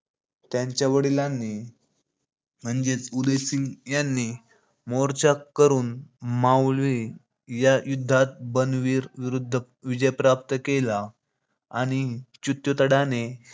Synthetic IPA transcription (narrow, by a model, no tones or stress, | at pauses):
t̪jãɲt͡ɕjaʋəɽilanːi | m̤əɳd͡zet͡sud̪esiŋjanːiː | moɾt͡ɕakəɾuːnmawlʋi | jajud̪ʱːat̪̚bənʋiːɾʋiɾud̪ʱːə | ʋid͡ʑəjpɾap̚t̪əkela | aɽ̃it͡ɕut̪jot̪əɽane